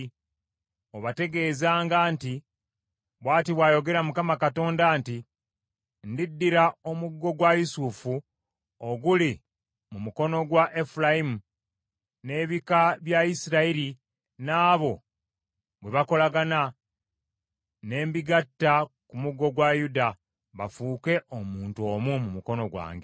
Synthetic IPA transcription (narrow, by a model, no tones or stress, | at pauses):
oβate̞ɡe̞ːzaːŋɡaːnti | βwaːtiβwaːjo̞ɡe̞ɾamukamakato̞ːndaːnti | ndidːiɾao̞muɡːo̞ɡwajusufu | oɡuli | mumuko̞no̞ɡwaʔe̞fulaimu | ne̞ːβikaβjaisiɾaiɾi | naːβo̞ | βweβako̞laɡana | ne̞ːmbiɡatːakumuɡːo̞ɡwajuda | βa̰fuːke̞ʔomuːnto̞ːmumumuko̞no̞ɡwa̰ːŋɡe